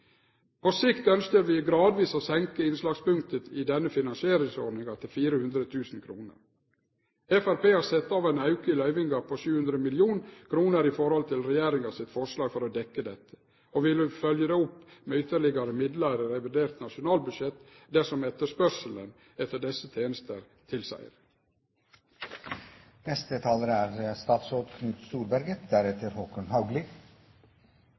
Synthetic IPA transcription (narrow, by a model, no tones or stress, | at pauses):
pʰɔsɪkt̪œnskəɾʋɪɡɾɑːd̪ʋiːsoːsɛŋkəɪnslɑːɡspʉŋk̚t̪ət̪ɪd̪ɛnːəfɪnɑnsɪeːɾɪŋsɔɖnɪŋɑt̪ʰɪlfiːɾəhʉnd̪ɾət̪ʰʉːsn̩kʰɾuːnə̰ɾ | ɛfæɾpeːhɑɾsɛt̪ːɑːʋæɪnɑʉkəɪlœʏʋɪŋɡɑpʰɔʃʉːʉnd̪ɾəmɪlɪuːnkʰɾuːnəɾɪfɔɾhɔlt̪ʰɪlɾɛjæːɾɪŋɑsɪt̪fɔʂlɑːɡfɔɾɔd̪ɛkːəd̪ɛt̪ːə̥ | oːʋɪləfœljəd̪ɛʊpːmeːʏt̪əɭɪɡɑɾəmɪd̪lɑɾəɾɛʋɪd̪eːɾt̪nɑʂʊnɑːlbʉd̪ʃɛt̪ | d̪æsɔmɛt̪əʂpœɾʂələn | ɛt̪ːəɖɛsət̪ʰeːnəst̪əɾ | t̪ʰɪlsæ̰ɪɾ | nɛst̪ət̪ʰɑːləɾəæːɾst̪ɑːt̪soːd̪kʰnʉːt̪st̪uːɾbæɾɡəd̪æɾɛt̪ʰəɾhoːkənhɑʊɡlɪ